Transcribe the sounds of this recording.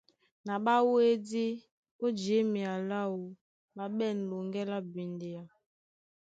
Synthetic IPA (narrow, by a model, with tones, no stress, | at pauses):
na˨ɓa˦we˦di˦ | o˦d͡ʒe˨˦mi˨a˨la˦wu˨ | ɓa˨ɓɛ˦˨n̩˨lo˨ŋɡɛ˦la˦bi˨ndi˨a˨